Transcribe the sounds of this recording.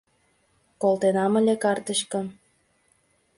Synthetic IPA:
kolt̪enɑmə̆lʲekɑrt̪əʃkɤ̆

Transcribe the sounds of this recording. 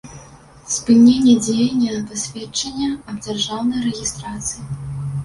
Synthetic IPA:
spɨnʲenʲːɛd͡zʲejɐnʲːɛnɐpasʲvʲet͡ʂɐnʲːɐɐbd͡zʲarʐawnɐjɾɛɣʲist̪ɾat̪sɨji

